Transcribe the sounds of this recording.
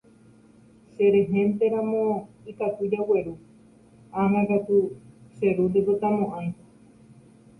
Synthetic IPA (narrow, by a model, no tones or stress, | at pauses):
ʃeɾeɦẽnt̪eɾãmõikat̪ud͡ʒaweɾu | ãnãkat̪use̞ɾud̪ekot̪amõʔãj̃